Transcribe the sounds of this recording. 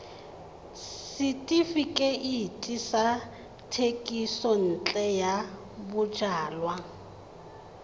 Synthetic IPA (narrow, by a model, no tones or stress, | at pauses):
ssɪtʼifikʼɛʔitʼisa | tʰekʼisɔn̩t͡ɬʼɛja | bʊʒaːlwa